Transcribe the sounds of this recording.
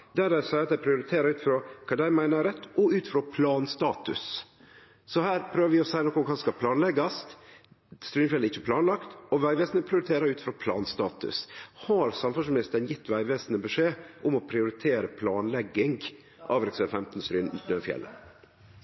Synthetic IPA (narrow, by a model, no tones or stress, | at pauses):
d̪æɾæsɑɪɑt̪d̪æɪpʰɾɪʊɾɪt̪ʰeːɾɑɾʉːt̪fɾoːkʰɑːd̪æɪmæɪnəɾɛt̪ːɔʉːt̪fɾoːpʰlɑːnst̪ɑːt̪ʉ̰s | sɔhæːɾpʰɾøːʋəɾʋɪɔsæɪnɔkːɔmkʰɑːskɑpʰlɑːnlɛɡɑst̪ | st̪ɾyːnfjɛləɪçːəpʰlɑːnlɑkt̪ɔʋæɪʋeːsnəpʰɾɪʊɾɪt̪ʰeːɾɑɾʉːt̪fɾoːpʰlɑ̰ːnst̪ɑːt̪ʉ̰shɑɾsɑmfʉsmɪnɪst̪ənjɪt̪ːʋæɪʋeːsnəbʉʂeːʔʊmɔpʰɾɪʊɾɪt̪ʰeːɾəpʰlɑːnlɛɡːɪŋɡ | ʔɑːʋɾɛksɛfɛmt̪n̩st̪ɾyːnnøfjɛ̰lʔə̰